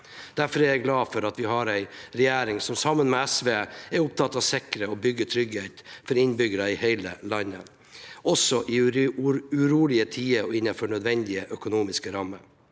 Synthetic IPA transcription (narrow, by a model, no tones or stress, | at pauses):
d̪̥æɾfɔɾɛɾjæɪɡlɑːfɔɾɑt̪ʋɪhɑɾæɪɾɛjæːɾɪŋsɔmsɑmənmeːæsʋeːɛɾʊp̚t̪ʰɑt̪ːɑʋsɪkəɾəɔbʏɡːəʈʰɾʏɡheɪt̪fɔɾɪnbʏɡəɾɑɪheɪlə̰lɑnːə̰ | ɔsɔʔi | ʉɾuːlɪət̪ʰiːəɾɔɪnːɑfɔɳœd̪ʋɛnd̪ɪəʔœkʊnuːmɪskəɾɑmːəɾ